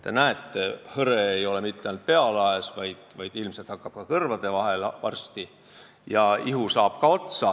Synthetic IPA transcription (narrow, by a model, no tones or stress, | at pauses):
t̪e̞næet̪ːˑehɤɾeːjo̞le̞mit̪ːˑeɑjnt̪̚pe̞ɑlɑesvɑjd̪̥vɑjd̪̥ilmse̞t̪hɑkːˑɑb̥̚kɑkɤrvɑd̪̥e̞vɑɦe̞lvɑ̰rst̪i | jɑiɦusɑːb̥kɑo̞t̪sɑ